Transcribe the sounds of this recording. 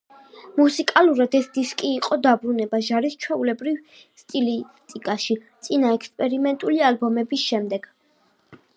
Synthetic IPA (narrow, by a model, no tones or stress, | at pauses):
musikʼaluɾad̪ɛsd̪iskʼiːqʼɔd̪abɾunɛbaʒaɾist͡ʃʰwɛulɛbɾiv | st̪ʼilit̪ʼikʼaʃit̪sʼinaɛkspʼɛɾimɛnt̪ʼulialbɔmɛbisʃɛmd̪ɛɡ̥